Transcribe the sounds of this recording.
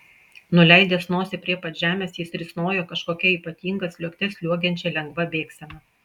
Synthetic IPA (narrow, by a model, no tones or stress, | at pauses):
nʊlʲɛɪd̪ʲɛːsnoːsʲɛpʲɾʲiɛpɐt̪ʒʲæːmʲeːsjɪsɾʲɪsnoːjoːkɐʃkoːkʲɛiːˑpɐt̪ʲiːŋɡɐslʲuɔkʲt̪ʲɛslʲuɔɡʲɛnʲt͡ʃʲɛlʲɛŋɡʋɐbʲeːksʲɛmɐ